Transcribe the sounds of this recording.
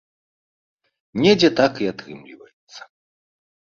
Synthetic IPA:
nʲɛd͡zʲɛt̪akiat̪ɾɨmlʲḭvɐjɛt̪sːɐ̥

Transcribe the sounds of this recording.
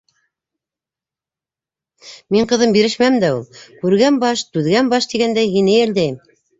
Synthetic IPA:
miɴqɤ̆ðɤmbiɾɘʃmæmd̪æulˠkʉɾɡænbɑʃt̪ʉðɡænbɑʃt̪iɡænd̪æjɦinɘjæ̆ld̪æjɘm

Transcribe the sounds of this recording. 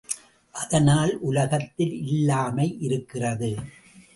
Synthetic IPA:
ʔɐðɐnaːlʔʊlɐɣɐt̪ːɪlɪlːaːmɐɪʔɪɾɯkːɪrɐðɯ

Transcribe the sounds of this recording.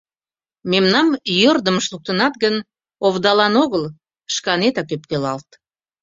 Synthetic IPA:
memnɑmjørd̪əməʃlˠuk̚t̪ənɑt̪ɡən | ovd̪ɑlɑnoɣəlˠ | ʃkɑnet̪ɑkøpkelɑlt̪

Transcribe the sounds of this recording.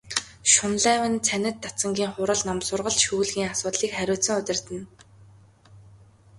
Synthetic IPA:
ʃʊnɮæːwɘ̆nt͡sʰænʲɪ̆t̪ːat͡sə̆ŋɡʲiːŋχʊɾə̆ɮnɔmsʊrʁə̆ɮʃuːɮɣiːŋasʊːt̪ɮiːkχæɾʲʊːɬt͡sə̆ŋʊt̪ʲɪ̆r̥t̪ɘ̆n

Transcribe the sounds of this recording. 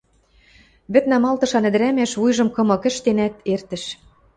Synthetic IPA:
βɘ̆t̪næmɑlt̪ɤ̆ʃɑnɘ̆d̪ɘɾæmæʃβujʒɤ̆mkɤ̆mɤ̆kɘ̆ʃt̪enæt̪ert̪ɘ̆ʃ

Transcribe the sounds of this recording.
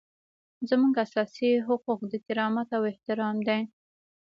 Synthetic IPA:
zəmuŋɡasɑsiɦʊquq̚d̪ət̪ɪɾɑmat̪awɪht̪ɪɾɑmd̪aj

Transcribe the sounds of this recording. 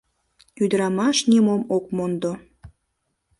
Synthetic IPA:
yd̪əɾɑmɑʃnemomok̚mond̪o

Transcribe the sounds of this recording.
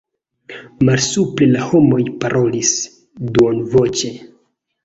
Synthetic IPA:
malsuple̞laho̞mo̞jpaɾʔo̞lis | duonvo̞t͡ʃe̞

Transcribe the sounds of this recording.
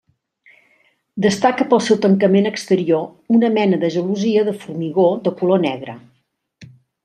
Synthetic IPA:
d̪əst̪akəpəlˠsɛwt̪əŋkəmenəkst̪əɾiounəmɛnəðəʒəluziəðəfurmiɣoðəkulonɛɣɾə

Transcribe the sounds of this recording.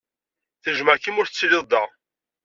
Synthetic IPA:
θəʒməɾkːimʊɾθət͡sːlɪðˤd̪æ

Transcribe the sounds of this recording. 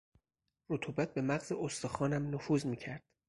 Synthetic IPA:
rot̪ʰuːbæt̪̚be̞mæɣzeʔost̪oxɒːnæmnofuːzmiːcʰæɾd̪̥

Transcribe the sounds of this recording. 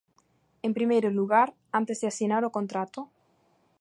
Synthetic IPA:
empɾimejɾoluɣaɾ | ant̪ezðɪasinaɾokont̪ɾat̪o

